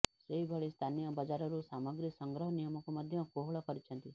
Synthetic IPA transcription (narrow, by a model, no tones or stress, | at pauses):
ʃɾejbʱəɭist̪ʰanijəbəd͡ʒaɾɔɾusaməɡɾisəŋɡɾəɦənijəmɔkuməd̪ʱjəkoɦɭɔkəɾit͡ʃʰə̃nt̪i